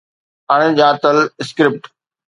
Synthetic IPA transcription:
ɐɽ̃d͡ʑãːt̪əlɪskɾɪp̚ʈ

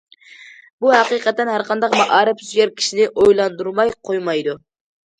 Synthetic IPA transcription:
buɦæqiːqɛt̪ːɛnɦæɾqɑnd̪ɑqmɑʔɑːɾɨpzyjɛɾkʲʰi̥ʃinɪʔojlˠɑnd̪uɾmɑjqʰojmɑjd̪u

